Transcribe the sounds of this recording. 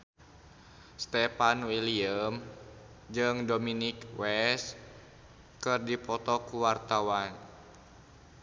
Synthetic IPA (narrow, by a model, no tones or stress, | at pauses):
st̪ɛpanwiliəm | d͡ʒɨŋdominikwɛs | kɨrdipɔt̪ɔkuwart̪awan